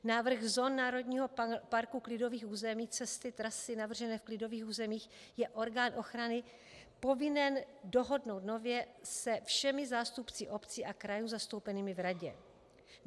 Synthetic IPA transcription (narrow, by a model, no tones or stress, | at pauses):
naːvr̩xzo̞ːnːaːɾo̞dɲiːɦopaɾkuklɪdo̞viːxʔuːzɛmiːt͡sɛst̪ɪt̪ɾasɪnavr̩ʒɛnɛːfklɪdo̞viːxuːzɛmiːx | jɛʔo̞ɾɡaːnʔo̞xɾanɪ | po̞vɪnɛndo̞ɦo̞dno̞wt̪no̞vjɛsɛfʃɛmɪzaːst̪upt͡sɪʔo̞pt͡sɪʔakɾajuzast̪owpɛniːmɪvɾaɟɛ̰